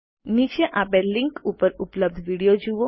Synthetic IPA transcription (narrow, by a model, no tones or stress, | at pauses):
nit͡ʃeʔabeliŋkupəɾupləb̚d̪ʱʋiɽijod͡ʒuʋo